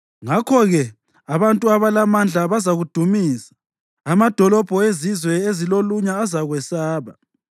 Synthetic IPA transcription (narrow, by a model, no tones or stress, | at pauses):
ŋakʰɔɣɛ | aβantʼuaβalamand͡ɮʱaβazaɣud̥ʱumiːzḁː | mad̥ʱɔlɔb̥ʱɔezizwɛeziloluɲaːzaɣwɛsaːβa